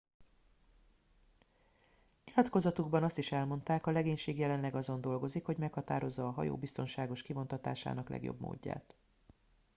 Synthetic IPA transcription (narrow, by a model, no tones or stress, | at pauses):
ɲilɒt̪ko̞zɒt̪uɡbɒnɒst̪iʃɛlmo̞nt̪aːkɒlɛɡeːɲʃeːɡjɛlɛnlɛɡɒzo̞nd̪o̞lɡo̞zikho̞ɟmɛkhɒt̪a̰ːɾo̞zːɒːɦɒ̰jo̰ːbist̪o̞nʃaːɡo̞ʃkivo̞nt̪ɒt̪a̰ːʃa̰ːnɒklɛ̰ɡjo̰bmo̰ːɟːa̰ːt̪